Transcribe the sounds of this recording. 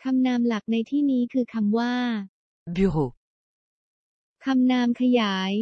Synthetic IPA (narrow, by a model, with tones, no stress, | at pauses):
kʰa˧mnaː˧mla˨˩k̚na˧jt̪ʰiː˥˩niː˦˥kʰɯː˧kʰa˧mwaː˥˩ | bi˩ʁo˨ | kʰa˧mnaː˧mkʰa˧jaː˩˦j